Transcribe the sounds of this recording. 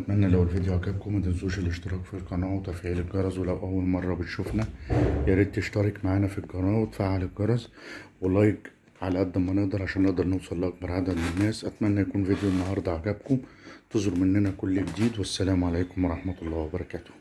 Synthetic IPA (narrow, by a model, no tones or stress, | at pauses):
ʔæt̪mænːælæwelved̪joʕaɡæb̚kʊmæd̪ænzuːʃelʔeʃt̪eɾˤɑːkfilqɑnɑːwet̪æfʕiːleɡɑɾˤɑzwelæwʔæwːælmɑrˤːɑbet̪ʃufnæjeɾiːd̪̚t̪eʃt̪ɑɾˤekmaʕaːnæfilɡɑnɑːwet̪faːʕaleɡɑɾˤɑzwelːɑːjeɡ | ʕalæʔæd̪ːæmːænehd̪ɑɾˤʕaʃæːnːeʔd̪ɑɾˤnewsˤɑlːʔɑk̚bɑɾˤʕad̪æd̪menːæːsʔæt̪mænːæjækuːnved̪joʔenːɑɦɑɾˤd̪ˤɑʕaɡæbkomt̪ezoɾmʔenːænækolːiɡd̪iːd̪wesːælæːmʕalæːkomwɑɾˤɑħmæt̪ɑlˤːɑːwæbɑɾˤɑkæːt̪o̥h